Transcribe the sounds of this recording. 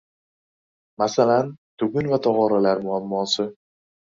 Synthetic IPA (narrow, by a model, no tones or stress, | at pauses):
masalant̪ʰʊɡʲʊnvat̪ʰɒʁɒɾalaɾmʊamːɒsɪ